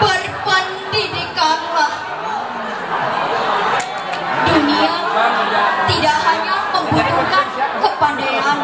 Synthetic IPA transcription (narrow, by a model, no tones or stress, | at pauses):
bərpan | diɾikanlah | dunia | t̪idaʔhaɲaməmbut̪uŋkankəpandaɦan